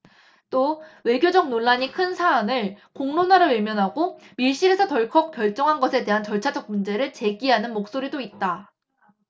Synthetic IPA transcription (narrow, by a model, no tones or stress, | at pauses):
t͈owe̞ɡjod͡ʑʌk̚noɭːaɲikʰɯnsʰaːnɯɭkoŋnonwaɾɯɭwemjʌnɦaɡomiɭɕ͈iɾe̞sʰʌtʌɭkʰʌp̚k͈jʌɭt͡ɕ͈ʌŋɦanɡʌsʰe̞de̞ɦant͡ɕʌɭt͡ɕʰad͡ʑʌk̚mund͡ʑe̞ɾɯɭt͡ɕe̞ɡiɦanɯnmok̚s͈oɾidoit̚t͈a